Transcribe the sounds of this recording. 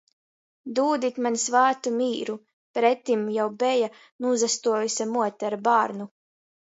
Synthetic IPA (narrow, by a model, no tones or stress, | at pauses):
d̪uːd̪it̪manʲsvæːt̪umiːɾu | pɾɛt̪imjawbɛja | nuzast̪uɔjusʲamuɔt̪ʲɛɾbaːɾnu